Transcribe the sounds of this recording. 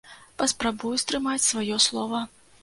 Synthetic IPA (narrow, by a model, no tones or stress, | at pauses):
pɐspɾabujust̪ɾɨmat͡sʲsvajɔslˠɔvɐ